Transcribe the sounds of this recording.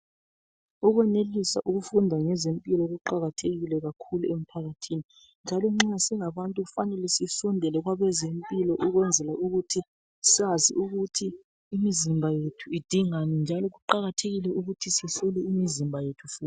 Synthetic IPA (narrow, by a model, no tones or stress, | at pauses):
ɔɣwɛnelisa̰ʔuɣufundʱaŋɛzempʼilɔɣuǃaɣatʰeɣilɛɣakʰuluem̩pʰaɣatʰiːni | nd͡ʒʱalɔŋ͡ǁasɛŋaβantʼuufanɛlɛsisɔndʱɛlɛɣwaβɛzempʼilɔʔuɣwɛnd͡zʱɛlauɣutʰi | sazḭʔuɣutʰiː | mizimbʱajetʰuid̥ʱiŋanɛnd͡ʒʱalɔɣuǃaɣatʰeɣilɛuɣutʰisɛsɔlɛimizimbʱajetʰu̥fuːt